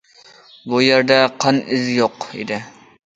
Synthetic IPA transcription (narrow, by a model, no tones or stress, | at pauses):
bujeɾd̪ɛqʰɑnɪzjoqḭd̪ɪ